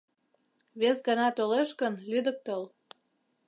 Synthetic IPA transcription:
βesɡɑnɑt̪oleʃkənlyd̪ək̚t̪ol

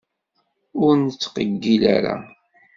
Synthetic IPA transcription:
ʊɾnt͡sːqəɡːila̰ɾa̰

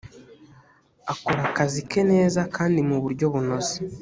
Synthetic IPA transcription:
ako̞ɾakazike̞ne̞ːzakʰaːndimuβuɾɟo̞βuno̞ze̥

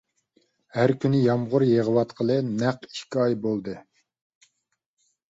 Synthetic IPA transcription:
hæɾkʲynɪjɑmʁʊɾjeʁəwɑt̪qʰəlˠɨnæqi̥ʃkʲiɑjbolˠd̪ɨ

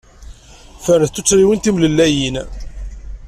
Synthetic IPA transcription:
fəɾθθːut͡sːɾiwənt̪imləlːæjin

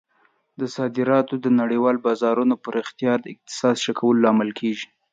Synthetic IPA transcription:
d̪əsɑd̪ɪɾɑt̪od̪ənaɽewɑlbɑzɑɾunopəɾɪxt̪ɪjɑɾd̪əɪq̚t̪ɪ̥sɑd̪ʃakʰawəlolɑmɪlkʰeʒi

